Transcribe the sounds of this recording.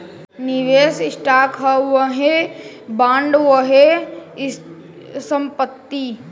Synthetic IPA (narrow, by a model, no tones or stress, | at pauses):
niʋeːsɪsʈaːkɦɐʋɐɦebãːɳɖʋəɦe | səmpət̪ːi